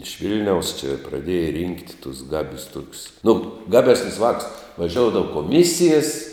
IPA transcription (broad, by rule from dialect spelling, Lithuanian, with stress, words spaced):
ɪʃ ˈʋʲɪlʲnʲɛʊs t͡ʃʲɪ prɐˈdʲeːjɛ rʲiːŋktʲ tuɔs ˈɡɑːbʲʊs ˈtoːkʲʊs nʊ ˈɡɑːˌbʲæːsʲnʲʊs ˈʋɑːkʊs ʋɐˈʒʲoːʊdɐʋɐ koːˈmʲɪsʲɪjɛs